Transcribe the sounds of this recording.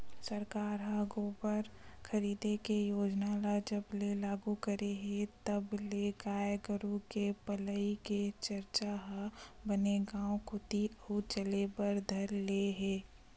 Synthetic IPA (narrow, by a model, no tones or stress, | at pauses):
sɐɾkaːɾɦaːɡopəɾkʰɐɾiːd̪ekejoːd͡ʒnalad͡ʒəblelaːɡukəɾeɦẽt̪ɐbleɡaːjɡəɾũkepələiket͡ʃəɾt͡ʃaɦbəneɡãːõkʊt̪iəut͡ʃəlebəɾd̪ʱɐɾleɦeː